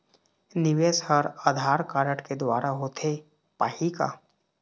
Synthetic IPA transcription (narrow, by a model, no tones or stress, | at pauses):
nɪʋeshəɾaːd̪ʱaːɾkaːɾəʈked̪waːɾaɦot̪ʰe | paːhika̰ː